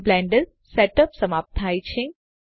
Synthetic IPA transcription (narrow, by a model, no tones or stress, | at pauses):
blɛ̃ːɳɖəl | seʈəpsɐmaːp̚t̪ʰaːjt͡ʃʰẽ